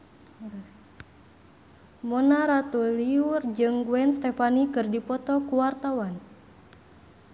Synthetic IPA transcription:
mɔnaɾat̪uliurd͡ʒɨŋɡuɛnst̪ɛfanikɨrdipɔt̪ɔkuwart̪awan

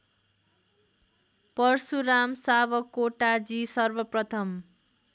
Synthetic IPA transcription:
pʌrsuɾamsabʌkoʈad͡zisʌrbʌprʌt̪ʰʌm

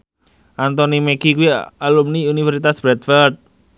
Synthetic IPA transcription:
ʔant̪ɔnimekikuialumniunifɛɾsit̪asb̥ɾɛt̪fərd̪̚

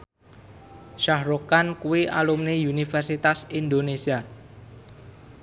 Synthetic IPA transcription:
ʃahɾokankuwiʔalumneunifɛrsit̪asind̪onesia

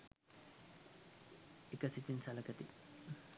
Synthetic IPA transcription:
ɪkɐsɪt̪ɪnsɐlɐkɐt̪ɪ

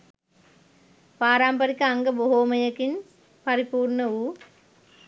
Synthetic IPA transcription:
paːɾaːmpɐɾikːɐɐŋɡɐboɦoːmɐjɐkːin | pɐɾipuːɾɳɐuː

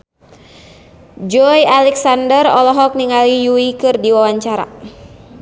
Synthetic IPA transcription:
d͡ʒɔjalɛksandərɔlɔɦɔk̚niŋalijuikɨrdiwawaɲt͡ʃaɾa̰

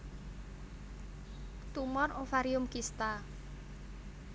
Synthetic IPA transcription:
t̪umɔrofaɾiʊmkist̪a

